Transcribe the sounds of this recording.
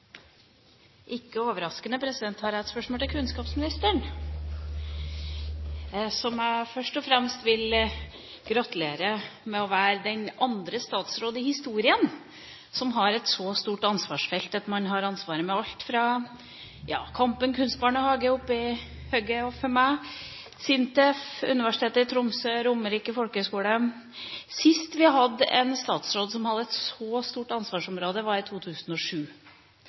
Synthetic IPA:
ʔɪkːəoːʋəɾɑskənəpʰɾɛsɪd̪ɛnt̪hɑɾæt̪spœʂmɔlt̪ɪlkʰʉnskɑːpsmɪnɪst̪əɳ | sɔmæɪfœʂʈɔfɾɛmst̪ʋɪl | ɡ̥ɾɑt̪ʉleːɾəmɛɔʋæːɾəd̪ɛnɑnd̪ɾəst̪ɑːt̪sɾoːd̪əɪhɪst̪uːɾɪən | sɔmɦɑɾɛt̪sɔst̪uːʈɑnsʋɑːʂfɛlt̪ɑt̪mɑnɦɑɾɑnsʋɑːɾəmɛɑlt̪fɾɑ | jɑ̰ːkʰɑmpənkʰʉnst̪̚bɑːɳəhɑːɡəʊpːɪhøːɡəɔfɔɾmæ | sɪnt̪ɛfʉ̰nɪʋæʂɪ̥t̪ʰeːt̪əɪt̪ʰɾʊmsøːɾʊmːəɾiːkəfɔlkəhskuːlə | sɪst̪ʋɪɦɑd̪ːəʔɛnst̪ɑːt̪sɾoːd̪sɔmhɑd̪ːəɛt̪sɔst̪uːʈɑnsʋɑːʂɔmɾoːd̪əʋɑɾɪt̪ʰuːt̪ʰʉːsnɔʂʉː

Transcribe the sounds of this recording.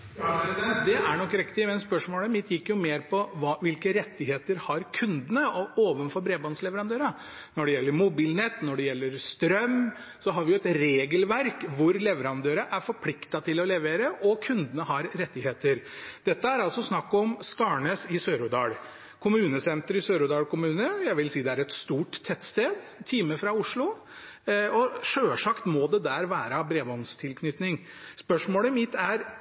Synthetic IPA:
d̪ɛæɳɔkːɾɪkt̪ɪmɛnspœʂmoːləmɪt̪ːjɪkːjʊmeːɾpʰɔʋɑʋɪlkəɾɛt̪ːɪɦeːt̪əɾhɑɾkʰʉnd̪ənəɔoːʋənfɔɾbɾeːbɑnslɛʋəɾɑnd̪øːɾɑ | nɔɖɛjɛlːəɾmʊbiːlnɛt̪ːnɔɖɛjɛlːəɾst̪ɾœmː | sɔɦɑɾʋɪjʊɛt̪ɾeːɡəlʋæɾkʋʊɾlɛʋəɾɑnd̪øːɾɑʔæɾfɔɾpʰlɪkt̪ɑt̪ʰɪlɔlɛʋeːɾəʔɔkʰʉnd̪ənəɦɑɾɾɛt̪ːɪheːt̪əɾd̪̥ɛt̪ːəæɾɑlsɔsnɑkːɔmskɑːɳəsɪsøːɾʊd̪ɑːɽ | kʰʊmʉːnəsɛnt̪əɾɪsøːɾʊd̪ɑːlkʊmʉːnəjæɪʋɪlsiːd̪ɛæɾɛt̪st̪uːʈt̪ʰːɛt̪ːst̪eːd̪t̪ʰiːməfɾɑʊʂɭʊ | ɔʂøːʂɑkt̪mɔd̪ɛd̪æɾʋæːɾɑbɾeːʋɔnst̪ʰɪlkʰnʏt̪nɪŋ | spœʂmoːləmɪt̪ːæɾ

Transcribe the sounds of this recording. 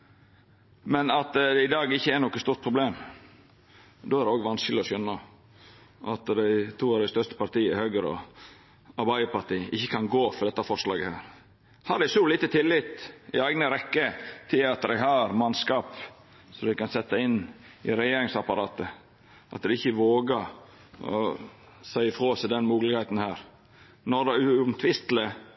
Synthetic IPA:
mɛnɑt̪d̪ɛɪd̪ɑːɡɪçːəɛɾnɔkːəst̪uːɾt̪̚pʰɾʊbleːm | d̪oːæɾdɛoːɡʋɑnskəlɪɔsœnːə | ʔɑt̪d̪æɪt̪ʰuːɑd̪ɛɪst̪œʂt̪ə̥pɑɾt̪iːəhøːɡəɾɔ̰ | ɑɾbæɪəpɑɾʈ̪iːəʔɪçːəkʰɑnɡoːfɔɾd̪ɛt̪ːɑfɔɾʂlɑ̰ːɡəhæːɾ | hɑɾɖ̪æɪsuliːt̪ət̪ʰɪlːɪt̪ɪæɪɡnəɾɛkːət̪ʰːɪlɑt̪̚d̪ɛɪhɑɾmɑnskɑːp | sɔd̪ɛɪkɑnsɛt̪ːəɪnː | ɪɾɛjeːɾɪŋsɑpɑɾɑːt̪ə | ʔɑ̰t̪̚d̪ɛɪçːəʋoːɡəɾ | ɔ̰ | sæɪəfɾoːsɪd̪ɛnmuːɡlɪɡhæɪt̪nhæːɾ | nɔɾd̪ɛʉʊmt̪ʰʋɪst̪lə

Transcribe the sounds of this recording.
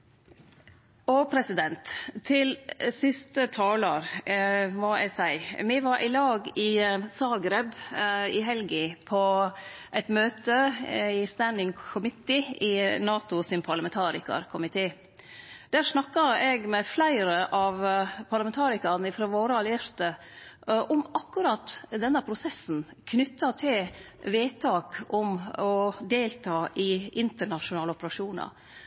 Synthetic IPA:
oːpʰɾɛsɪd̪ɛnt̪ʰːɪlsɪst̪ət̪ʰɑːləɾ | mɔɛ̰sæɪmɛʋɑɾʔɪlɑːɡɪsɑːɡɾɛbɪɦɛlɡɪpʰɔʔɛɪt̪møːt̪əɪst̪ænɪŋkʰʊmɪt̪ɪʔɪnɑːt̪ʊsɪnpʰɑlɑmɛnt̪ʰɑːɾɪ̰kɑ̰ɾkʰʊmɪt̪ʰeː | d̪̥æːʂnɑkːəɾɛɡmɛflæɪɾəʔɑʋpʰɑɾlɑmɛnt̪ʰɑːɾɪkɑɾnəɪfɾoːʋoːɾəɑlɪæɾt̪ə | ʔɔmɑkːʉɾɑt̪ːd̪ɛnːəpʰɾʊsɛsn̩ | kʰnʏt̪ːɑt̪ʰɪ | ʋeːt̪ʰɑːkɔmɔd̪eːlt̪ʰɑːʔɪʔɪnt̪əɳɑʃʊnɑːlɔpəɾɑʂuːnɑ̰ɾ

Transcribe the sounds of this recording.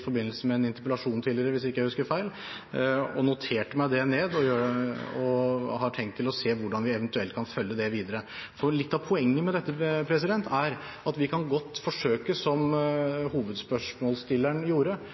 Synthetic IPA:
fɔɾbɪnːəlsəmɛːnɪnt̪ɪpəlɑʂuːnt̪ʰiːlɪəɾəʋɪsɪkːəjæɪhʉskəɾfæɪl | ɔ̰nʊt̪ʰeːʈəmæɪd̪ɛneːd̪ɔjøːəɔhɑʈʰɛŋt̪ʰːɪlɔseːʋʊɖɑnʋɪɛʋənt̪ʉɛlt̪̚kʰɑnfœlːəd̪ɛʋiːd̪əɾəfɔɾɭɪt̪ːɑʋpʰʊɛŋːəmɛd̪ɛt̪ːəpʰɾɛsɪd̪ɛnt̪ʰæɾ | ɑt̪ʋɪkʰɑnɡɔt̪ːfɔʂøːkəsɔmhuːʋəd̪spœʂmɔːlst̪ɪlːæɳjuːɾə

